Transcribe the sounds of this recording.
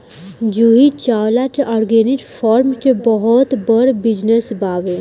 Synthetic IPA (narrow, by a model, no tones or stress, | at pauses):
d͡ʒuɦit͡ʃaːwlaʈʔɔːɾɡeniʈpʰɔːɾmʈebɔɦɔt̪bəɾbid͡ʒnesbaːbe